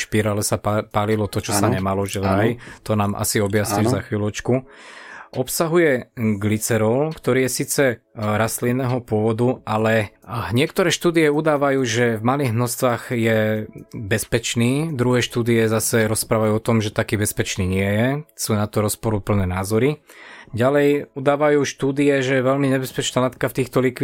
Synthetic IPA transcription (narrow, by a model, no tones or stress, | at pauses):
ʃpiɾaːlɛsapaːlilɔt̪ɔt͡ʃɔssaɲɛmalɔʒɛlajt̪ɔnaːmʔa̰siɔbjasɲiʒzaxʋilɔt͡ʃku | ʔɔpsaɦujɛɡlit͡sɛɾɔʊkt̪ɔɾiːjɛsiːt͡sɛɾaslinɛːɦɔpʊɔʋɔd̪uʔalɛɲɪɛkt̪ɔɾɛːʃt̪uːd̪ijɛud̪aːʋajuːʒɛvmaliːɣmnɔst̪ʋaːɣjɛ | bɛspɛt͡ʃniːd̪ɾuɦɛːʃt̪uːd̪iɛzasɛɾɔspɾaːʋajuːɔt̪ɔmʒɛt̪akiːbɛspɛt͡ʃniːɲɪɛjɛsuːnat̪ɔɾɔspɔɾupl̩nɛːnaːzɔɾiɟalɛjud̪aːʋajuːʃt̪uːd̪iɛʒɛjɛʋɛʎmiɲɛbɛspɛt͡ʃnaːlat̪kaft̪iːxt̪ɔlikʋi